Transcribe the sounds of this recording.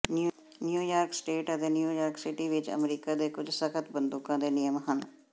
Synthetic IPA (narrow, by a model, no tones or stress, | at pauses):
n | njuːjaːɾksʈeːʈət̪eːnjuːjaːɾksɪʈiːʋɪt͡ʃə̰mɾiːkaːd̪eːkʊd͡ʒsəkʰət̪bənd̪ukãːd̪eːnɪjəmɦən